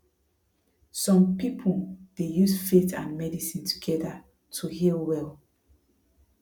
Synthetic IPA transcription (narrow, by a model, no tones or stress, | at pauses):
sɔ̃mpipʰud̥ejusfetãnmɛdisĩntʰu̥ɡɛda | tʰuhilwɛl